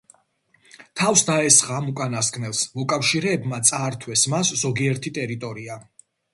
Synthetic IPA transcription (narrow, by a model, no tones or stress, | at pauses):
t̪ʰavsd̪aɛsχaːmukʼanaskʼnɛlˠsmɔkʼafʃiɾɛːbmat̪sʼaːɾt̪ʰwɛsmaszɔɡiɛɾt̪ʰit̪ʼɛɾit̪ʼɔɾia